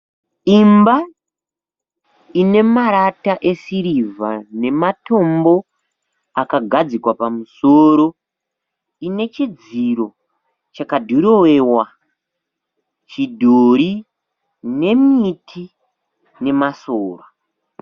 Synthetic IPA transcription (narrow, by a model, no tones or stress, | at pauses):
imba | ine̞maɾataʔe̞siɾivane̞mato̞mbo̞ | akaɡʱad͡zikwapamusoːɾo̞ | ine̞t͡ʃid͡ziɾo̞ | t͡ʃakadʱuɾowe̞wa | t͡ʃidʱoɾi | ne̞mitʰi | ne̞masoːra